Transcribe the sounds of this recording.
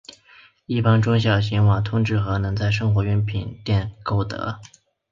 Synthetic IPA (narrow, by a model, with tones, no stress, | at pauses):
i˥˩pɑ˥ŋʈ͡ʂʊ˥ŋɕ̬jɑ˨˩ʊɕ̬i˧˥nwɑ˨˩ŋt̪ʰʊ˥ŋʈ͡ʂɻ̩˥˩xɤ˧˥nɤ˧˥ŋt͡sa˥˧ɪʂ̬ɤ˥ŋxwɔ˧˥ɥɛ˧˥npʰi˨˩nt̪jɛ˥˩nko˥˩ʊt̪ɤ̰˧˥